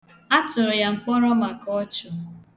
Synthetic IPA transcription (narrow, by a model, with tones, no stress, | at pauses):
a˦tʊ˨ɾʊ˨ja˨ŋ͡m̩˨k͡pɔ˦ɾɔ˦ma˨kɔ˦t͡ʃʊ˨